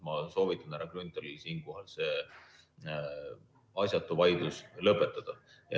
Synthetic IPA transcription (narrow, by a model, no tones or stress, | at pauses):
mɑso̞ːvit̪ːˑɑnæɾɑkrynt̪ˑeɾisiːnko̞ɦɑlse̞ | ɑsʲjɑt̪ːˑuvɑjd̪̥uslɤpːˑet̪ːˑɑd̪̥ɑ | jɑ̰